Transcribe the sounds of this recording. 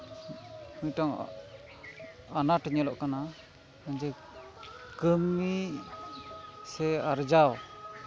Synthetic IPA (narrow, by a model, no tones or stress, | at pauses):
kuɲʈɔŋ | anaʈaɲɛlɔʔkana | maɲd͡ʒɛ | kəmi | sɛaɾd͡ʒaw